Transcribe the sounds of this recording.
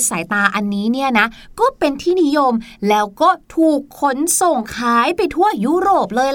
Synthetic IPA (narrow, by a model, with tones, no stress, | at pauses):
saː˩˦jt̪aː˧ʔa˧nːiː˦˥ni˥˩ɐna˦˥ʔkɔː˥˩pe˧nt̪ʰiː˥˩ni˦˥jo˧mlɛː˦˥wkɔː˥˩t̪ʰuː˨˩kʰːo˦˥nso˨˩ŋkʰaː˦˥jpa˧jt̪ʰu˥˩ɐju˦˥ɾoː˨˩p̚lɤː˧j